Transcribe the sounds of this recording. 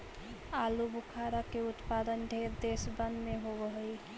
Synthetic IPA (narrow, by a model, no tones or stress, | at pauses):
aːlubʱukʰaɾakeʊt̪paːd̪ənɖ̪ʱeɾd̪eːsbənmeɦobəɦi